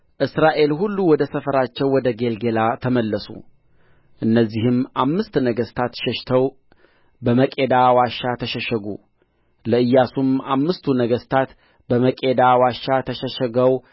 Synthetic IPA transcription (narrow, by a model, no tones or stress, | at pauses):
ʔɨsɾaʔe̞lhulːuwɔd̪əsəfəɾat͡ʃːɛwːɔd̪əɡe̞lɡe̞lat̪ʰəməlːəsṵ | ʔɨnːəzːihɨmʔamːɨst̪nəɡəst̪ʰat̪ʃɛʃt̪ʰəw | bəməkʼe̞d̪awaʃːat̪ʰəʃəʃəɡṵ | ləɨjːasumamːɨst̪ʰunəɡəst̪ʰat̪ | bəməkʼe̞d̪awaʃːat̪ʰəʃəʃəɡəw